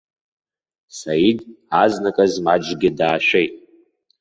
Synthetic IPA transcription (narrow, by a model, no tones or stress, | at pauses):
sajid | aznakʼazmad͡ʒɡʲɪdaːʃʷᶣejtʼ